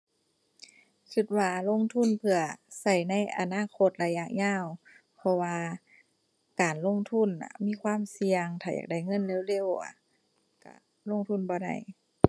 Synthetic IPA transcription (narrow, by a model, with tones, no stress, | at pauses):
t͡ɕʰɯ˧˩t̪̚waː˧lo˧˥˨ŋt̪ʰu˧˥˨npʰɯ˧ɐsa˧˩jna˧˥˨jʔa̰˨˩naː˧˥˨kʰo˧˩t̪̚la˧ja˧ʔɲaː˧˥˩w | pʰɔ˧waː˧ | kaː˨˩nlo˧˥˨ŋt̪ʰu˧˥˨nʔa̰˧˩miː˧˥˨kʰwaː˧˥˨msi˧ɐəŋt̪ʰaː˧˩ja̰ː˨˩da˧˩jŋɤ˧˥˨nle˧˩˨wle˧˥˨wʔa̰˧˩ | ka̰˧˩ | lo˧˥˨ŋt̪ʰu˧˥˨nbɔː˧˦da̰˧˩j